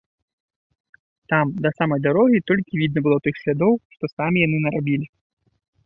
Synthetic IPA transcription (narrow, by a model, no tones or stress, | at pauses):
t̪amd̪ɐsamɐjd̪aɾɔɣʲit̪ɔlʲkʲivʲid̪nɐbɨlˠɔt̪ɨxsʲlʲad̪ɔwʂt̪ɔsamʲijanɨnɐɾabʲilʲi